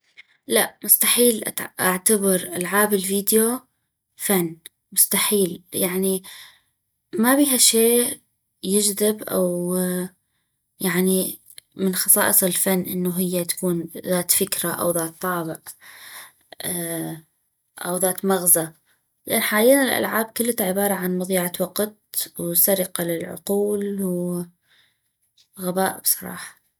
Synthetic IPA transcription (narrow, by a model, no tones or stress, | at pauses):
laʔmʊst̪aħiːlʔʔaʕt̪abɪɾʔalʕaːbɪlviːd̪jo | fanː | mʊst̪aħiːljaʕni | mabiːɦaʃeː | jɪd͡ʒðɪbʔa̰w | jaʕni | mɪnxɑsˤɑːʔɨsˤɪlfanːʔɪnːuɦɪjːat̪ḁkuːnðaːt̪fɪkɾaʔa̰wðaːt̪ˤːɑːbɪʔ | ʔawðaːt̪maɣza | lɪʔanːħaːliːnalʔa̰lʕaːb̚kʊlːat̪aʕɪbɑːɾˤɑʕanmɑðˤiːʕat̪wɑqt̪̚wsaɾɪqɑlɪlʕʊ̰quːlw | ɣabaːʔɪb̥sˤɑɾˤɑ̰ːħɑ̥